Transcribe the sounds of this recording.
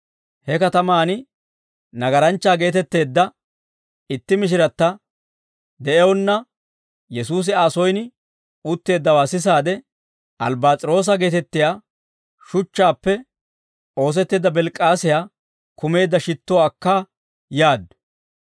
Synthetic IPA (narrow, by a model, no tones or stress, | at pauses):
hɛkɐt̪ɐmaːnɪ | nɐɡɐɾɐnt͡ʃːaːɡe̞ːt̪ɛt̪ːe̞ːd̪ːɐ | ɪt̪ːɪmɪʃ̬ɪɾɐt̪ːɐ | d̪ɛʔɛwɔnːɐ | jɛsuːs̬ɪaːsɔjn | ʊt̪ːe̞ːd̪ːɐwaːsɪs̬aːd̪ɛ | ʔɐlbaːt͡sʼɪɾo̞ːs̬ɐɡe̞ːt̪ɛt̪ːɪjaː | ʃʊt͡ʃːaːpːɛ | o̞ːs̬ɛt̪ːeːd̪ːɐbɛlkʼːaːsɪjaː | kʊme̞ːd̪ːɐʃɪt̪ːɔwːkːaː | jaːd̪ʊ̥